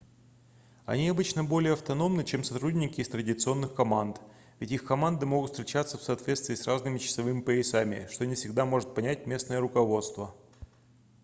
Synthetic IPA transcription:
ɐ̰nʲiɐbɨt͡ɕnəbo̞lʲɪjəɐft̪ɐno̞mnɨt͡ɕe̞msɐt̪ɾudʲnʲɪkʲɪːst̪ɾədʲɪt̪sɨo̞nːɨxkɐmant̪ | vʲɪtʲixkɐmand̪ɨmoɡʊt̪ft̪ʲɾʲɪt͡ɕat̪səfsɐːt̪vʲest̪vʲɪːsraznɨmʲɪt͡ɕɪ̥sɐvɨmʲɪpəɪsamʲɪ̰ʂt̪onʲɪfsʲɪɡd̪amo̞ʐɨt̪̚pɐnʲæt̚ʲmʲe̞snəjəɾʊkɐvo̞t̪st̪və

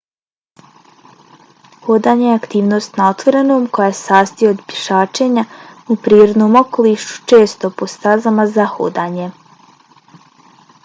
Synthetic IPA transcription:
hod̪aːɲe̞jeakt̪iːʋno̞ːst̪nao̞t̪ʋo̞ɾe̞noːmko̞jaːjesaːst̪ijood̪pʲjeʃaːt͡ʃe̞ɲaupɾiːɾo̞d̪no̞ːmo̞ko̞liːʃu̥t͡ʃeːst̪o̞post̪azamazaho̰d̪aːɲe̞

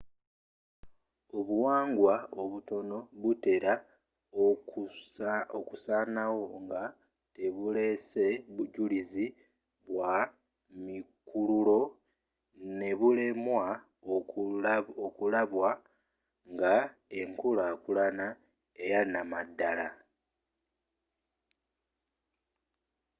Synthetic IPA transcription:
o̞βuwaːŋɡwaoβuto̞no̞βute̞ɾa | okusaːnawo̞ŋɡa | te̞βule̞se̞βuɟulizi | βwa | mikululo̞ | ne̞βule̞mwa | o | okulaβwa | ŋɡae̞ŋkulakulana | e̞janamadːala

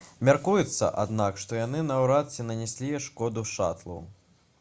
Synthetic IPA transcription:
mʲarkujut̪sːɐ̰ʔa̰d̪nakʂt̪ɔjanɨnɐwɾat̪sʲɛnɐnʲɛsʲlʲijɛʂkɔd̪uʂa̰t̪lˠṵw

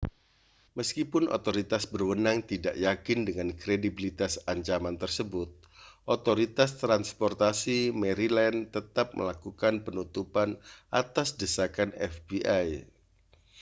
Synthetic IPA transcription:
məskipʊnʔo̰t̪oɾit̪asbərwənaŋt̪ida̰ʔjakɪndəŋankɾedibilit̪asaɲt͡ʃamant̪ərsəbʊt̪̚ | ʔot̪oɾit̪ast̪ɾanspɔrt̪asimɛɾilɛnt̪ət̪ap̚mə̰lakukanpənut̪upanʔat̪asdəsakanɛfbiʔaj

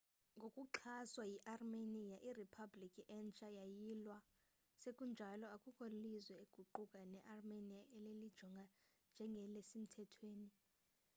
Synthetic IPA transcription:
ŋɡʱokʼuǁʰaswajiʔarmenijaʔiripʰablikʰʼiʔɛnt͡ʃʼajajilwa | sekʼund͡ʒʱalɔakʼukʼolizwɛeɡ̥ʱuǃukʼanɛʔarmenijaelelid̥ʒ̥ʱɔŋɡʱa | nd͡ʒʱɛŋɡʱɛlesim̩tʰɛtʰweːni

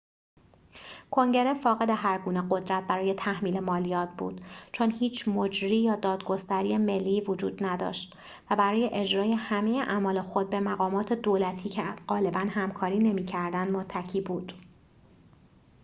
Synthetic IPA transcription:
kʰo̞ŋɟe̞ɾefɒːɣe̞d̪eɦæɾɡuːne̞ɢo̞d̪ɾæt̪̚bæɾɒːje̞t̪ʰæhmiːlemɒːlijɒːt̪̚ʰbṵːd̪̥t͡ʃʰo̞nhiːt͡ʃʰmo̞d͡ʒɾiːjɒːd̪ɒːd̪ɡo̞st̪æɾiːjeme̞lːiːvod͡ʒṵːd̪næd̪ɒ̰ːʃt̪ | væbæɾɒːje̞ʔe̞d͡ʒɾɒːje̞hæme̞jeʔæmɒːlexo̞d̪̚be̞mæɣɒːmɒːt̪ʰe̞d̪oːlæt̪ʰiːcʰeɢ̥ɒːle̞bænhæmkʰɒːɾiːne̞miːcʰæɾd̪ænd̪mot̪ʰːæcʰiːbuːd̪̥

